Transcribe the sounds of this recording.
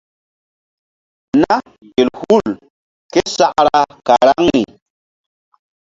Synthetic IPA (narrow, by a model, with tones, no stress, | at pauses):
na˦ | ɡe˨lhu˦˨l | ke˦sa˦ʔɾa˨ka˨ɾa˦ŋni˨